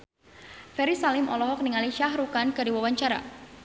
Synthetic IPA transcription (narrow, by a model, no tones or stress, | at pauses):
fɛɾisalɪmɔlɔɦɔk̚niŋaliʃaɦɾukankɨdiwawaɲt͡ʃaɾa̰